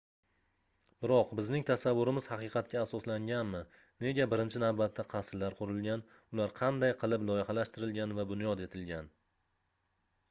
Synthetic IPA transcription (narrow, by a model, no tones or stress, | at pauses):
b̥ɪɾɒqbɪznɪŋt̪ʰasavːʊɾɪmɪzhɑqɨqʰɑt̪̚kʲaːsɒslaŋɡʲanmɪ | ne̞ɡʲabɪɾɪnt͡ʃʰɪnawbat̪ʰːaqʰɑsllːaɾqʰʊɾɪlˠɡʲan | ʊlaɾqʰɑnd̪ajqʰɨlˠɪplˠɒjɪhɑlaʃt̪ɪɾɪlɡʲanvabʊnjɒd̪e̞t̪ʰɪlɡʲan